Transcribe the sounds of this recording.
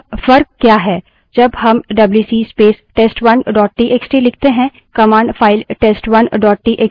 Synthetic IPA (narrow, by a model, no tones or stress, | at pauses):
fɐɾk̚kjaːɦɛː | d͡ʒɐbɦɐmɖɐbljuːsiːspeːsʈeːsʈʋɐnɖɔːʈ̚ʈiːʔeːksʈilɪk̚ʰt̪eɦɛ̃ | kɐmãːɳɖfʰaːɪlʈeːsʈwɐnɖɔːʈ̚ʈiːʔek